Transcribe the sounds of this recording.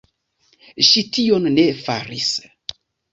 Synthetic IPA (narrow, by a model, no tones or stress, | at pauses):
ʃitio̞nːe̞fa̰ɾis